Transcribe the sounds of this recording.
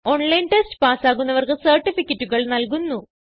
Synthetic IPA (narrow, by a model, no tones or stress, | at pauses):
o̞ɳlɐjnʈestɨ̥paːsaːɣunːɐʋɐrkɨsɐrʈːifikʲːɐtːuɣɐɭnɐlkunːu